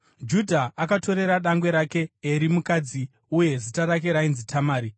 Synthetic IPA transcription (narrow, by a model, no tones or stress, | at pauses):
d͡ʒudʱaʔakato̞ɾe̞ɾaɗaŋɡwe̞ɾake̞ːɾimukad͡zi | uje̞zitaɾak̬e̞ɾainzitʰamaːɾi